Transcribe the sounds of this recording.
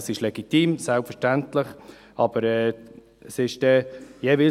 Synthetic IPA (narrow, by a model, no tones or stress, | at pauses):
sɪʃlɛɡ̥itiːmsɛlpfəʃtæntlɪχ | ɑb̥əɾɛː | əsɪʃdɛjɛʋɪ